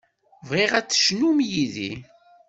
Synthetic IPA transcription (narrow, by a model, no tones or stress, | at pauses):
vʁiʁæt͡sːə̥ʃnumjiðḭ